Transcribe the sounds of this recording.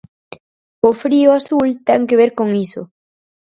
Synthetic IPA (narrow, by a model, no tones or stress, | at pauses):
ofɾioasult̪eŋkeβ̞eɾkoŋiso̰